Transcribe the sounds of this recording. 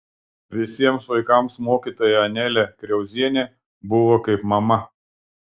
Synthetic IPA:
ʋʲɪsʲiɛmsʋɐɪkɐˑmsmoːkʲiːt̪oːjɛɐnʲælʲɛkɾʲɛʊzʲiɛnʲeː | bʊʋoːkɐɪpmɐmɐ

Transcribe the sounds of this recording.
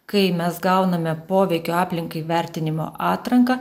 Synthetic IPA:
kɐɪmʲɛsɡɐʊnɐmʲɛpoːʋʲɛɪkʲoːɑːpʲlʲɪŋkɐɪʋʲæɾʲt̪ʲɪnʲɪmo̰ːʔɑːt̪ɾɐŋkɐ

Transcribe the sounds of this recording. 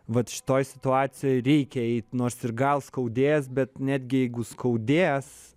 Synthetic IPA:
ʋɐt̪ʃʲɪ̥t̪oːjsʲɪ̥t̪ʊɑːt͡ssʲɪjoːjɾʲɛɪkʲɛɛɪt̪ʲnoːrsɪrɡɐlˠskɐʊd̪ʲeːjsbʲɛt̪nʲæːd̪ʲɡʲɪjɛɪɡʊskʰɐʊd̪ʲeːs

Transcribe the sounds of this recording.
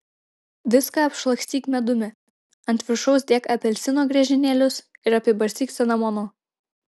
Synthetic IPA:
ʋʲɪskɑɐpʃlˠɐksʲt̪ʲiːkmʲɛd̪ʊmʲɪ | ɐnʲt̪ʲʋʲɪɾʃɔʊsd̪ʲiɛkɐpʲɛlʲsʲɪnoːɡɾʲɛʒʲɪnʲeːlʲʊsɪɾɐpʲɛbɐɾʲsʲiːksʲɛnɐmonoː

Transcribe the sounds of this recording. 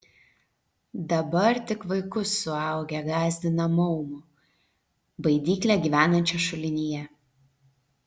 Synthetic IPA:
d̪ɐbɐɾt̪ʲɪkʋɐɪkʊsːʊɑˑʊɡʲɛɡɑːzʲd̪ʲɪnɐmɔʊmʊ | bɐɪd̪ʲiːklʲæɡʲiːʋʲæːnɐnʲt͡ʃʲɛʃʊlʲɪnʲijɛ

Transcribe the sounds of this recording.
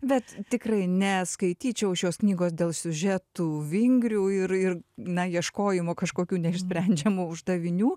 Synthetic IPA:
bʲɛt̪t̪ʲɪkrɐɪnʲɛskɐɪt̪ʲiːt͡ʃʲɛʊʃjoːsknʲiːɡoːsd̪ʲeːlˠsʲʊʒʲɛt̪uːʋʲɪŋʲɡɾʲuːɪɾɪrnɐjiɛʃkoːjɪmoːkɐʃkoːkʲuːnʲɛɪʃʲsʲpʲɾʲɛnʲd͡ʒʲɛmuːʊʒd̪ɐʋʲɪnʲuː

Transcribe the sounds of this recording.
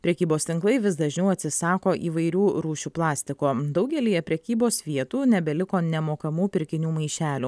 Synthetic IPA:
pʲɾʲɛkʲiːboːst̪ʲɪŋklˠɐɪʋʲɪsd̪ɐʒʲnʲɛʊɐt̪ʲsʲɪsɑːkoːʔḭːʋɐɪɾʲuːɾuːʃʲuːplˠɑːsʲt̪ʲɪkoːd̪ɒʊɡʲɛlʲiːjɛpʲɾʲɛkʲiːboːsʋʲiɛt̪uːnʲɛbʲɛlʲɪkoːnʲɛmoːkɐmuːpʲɪɾʲkʲɪnʲuːmɐɪʃʲæːlʲuː

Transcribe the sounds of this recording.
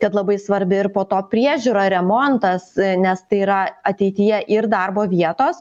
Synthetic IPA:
kɐt̪lˠɐbɐɪsʋɐɾʲbʲɪɪɾpoːt̪oːpʲɾʲiɛʒʲuːɾɐɾʲɛmɔnt̪ɐsnʲɛst̪ɐɪiːɾɐɐt̪ʲɛɪt̪ʲɪjɛʔɪrd̪ɐrboːʋʲiɛt̪oːs

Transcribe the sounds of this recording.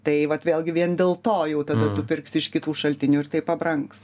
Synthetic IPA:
t̪ɐɪʋɐt̪ʋʲeːlʲˠɡʲɪʋʲiɛnd̪ʲeːlˠt̪oːjɛʊt̪ɐd̪ɐt̪ʊpʲɪrksɪʃkʲɪt̪uːʃɐlʲt̪ʲɪnʲuːɪrt̪ɐɪpɐbɾɐŋks

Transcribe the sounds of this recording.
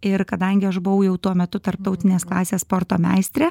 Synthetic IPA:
ɪɾkɐd̪ɐŋʲɡʲɪɐʒbʊʋɐʊjɛʊt̪uɔmʲɛt̪ʊt̪ɐɾp̚t̪ɐʊt̪ʲɪnʲeːsklˠɑːsʲeːsspoːɾt̪oːmʲæ̰ɪsʲt̪ʲɾʲeː

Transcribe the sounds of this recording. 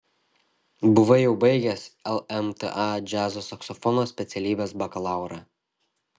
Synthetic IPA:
bʊʋɐjɛʊbɐɪɡʲɛsɛlˠɛmt̪ḛʔɑd͡ʒʲæːzoːsɐksɔfɔnoːsʲpʲɛt̪sʲɛlʲiːbʲeːsbɐkɐlˠɑˑʊɾɑː

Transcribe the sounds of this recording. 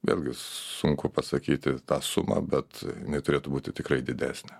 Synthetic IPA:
ʋʲḛːlʲɡʲɪsʊŋkʊpɐsɐkʲiːt̪ʲɪt̪ɑːsʊmɑ̰ːbʲɛt̪jjɪnɐɪt̪ʊɾʲeːt̪ʊbuːt̪ʲɪt̪ʲɪkrɐɪd̪ʲɪd̪ʲæ̰ːsʲnʲɛ

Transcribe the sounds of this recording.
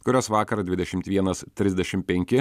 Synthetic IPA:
kʊɾʲoːsʋɑːkɐɾɐd̪ʲʋʲɪd̪ʲɛʃʲɪmt̪ʋʲiɛnɐst̪ʲɾʲɪzʲd̪ʲɛʃʲɪmpʲɛŋʲkʲɪ

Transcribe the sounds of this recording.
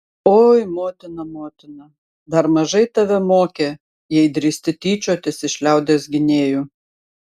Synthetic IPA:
oːjmoːt̪ʲɪnɐmoːt̪ʲɪnɐ | d̪ɐɾmɐʒɐɪt̪ɐʋʲɛmoːkʲe | jɛɪd̪ɾʲiːsʲt̪ʲɪt̪ʲiːt͡ʃʲoːt̪ʲɪsɪʃʲlʲæˑʊd̪ʲeːsɡʲɪnʲeːjuː

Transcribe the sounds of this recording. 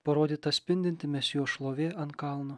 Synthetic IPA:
pɐɾoːd̪ʲiːt̪ɐt̪sʲpʲɪnʲd̪ʲɪnʲt̪ʲɪmʲɛsʲjoːʃlˠoːʋʲeːʔɐnt̪kɐlˠnʊ

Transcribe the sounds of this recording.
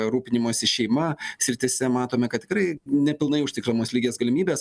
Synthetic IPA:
ɾuːpʲɪnʲɪmoːsʲɪʃʲɛɪmɐsʲɾʲɪt̪ʲɪsʲɛmɑːt̪oːmʲɛkɐt̪̚ʲtʲɪkɾɐɪnʲɛpʲɪlˠnɐɪʊʃʲt̪ʲɪklʲɐmoːslʲiːɡʲeːsɡɐlʲɪmʲiːbʲeːs

